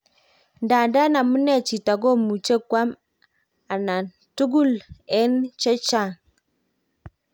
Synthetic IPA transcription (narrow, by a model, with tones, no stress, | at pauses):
nda˨da˦na˨mə˦nɛ˦˨t͡ʃi˨ta˨ɡo˦mu˨t͡ʃe˦kwa˦m | a˨na˨ | tu˦ɡu˦˨lɛ˦nt͡ʃe˦t͡ʃa˦˨